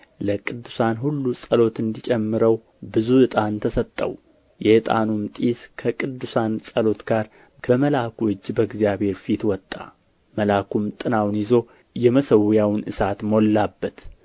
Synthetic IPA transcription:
ləkʼɨd̪ːusanɦulːusʼəlo̞t̪ɨnd̪it͡ʃʼɛmːɨɾəw | bɨzuɨt̪ʼant̪ʰəsət̪ʼːə̰w | jɛhɨt̪ʼa̰numt̪ʼiskʰəkʼɨd̪ːusansʼəlo̞t̪ɡ̥aɾ | kʰəməlakɨd͡ʒːbəɡzijaβhe̞ɾfit̪wɔt̪ʼːa̰ | məlakʰumt̪ʼɨnawnjɪzo̞ | jɛməsəwjawnʔɨsat̪molːabːət̪

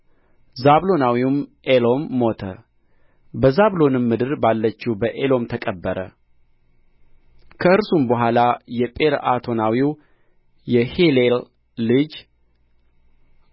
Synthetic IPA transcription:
zaβlo̞nawiwm | elo̞mːo̞t̪ʰə̰ | bəzaβlo̞nɨmːɨd̪ɨɾbalːət͡ʃːubəʔelo̞mt̪ʰəkʼəbːəɾə̰ | kʰəɨɾsumbəɦʷalajɛpʼeɾa̰t̪ʰo̞nawiw | jɛhelelː | ɨd͡ʒ

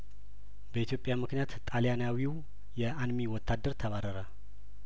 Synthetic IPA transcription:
bəit̪jo̞pʼjamɨknijat̪ːʼaljanawiw | jɛʔanmiwɔt̪ʰːad̪əɾt̪ʰəβaɾəɾə

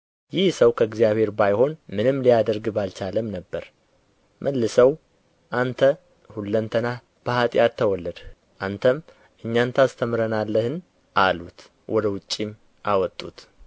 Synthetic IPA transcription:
jɪhsəwkʰəɨɡzijaβhe̞ɾbajho̞nmɨnɨmlijad̪əɾɡbalt͡ʃaləmnəbːəɾ | mʔəlːɨsəw | ʔant̪ʰə | hulːənt̪ʰəna | b̥əhat̪ʼɪjat̪ʰːəwɔlːəd̪ | ʔant̪ʰəm | ʔɨɲːant̪ʰast̪ʰəmɾənalːəhɨn | ʔalut̪ | wʔɔd̪əwʊt͡ʃʼːim | ʔawɔt̪ʼːṵt̪

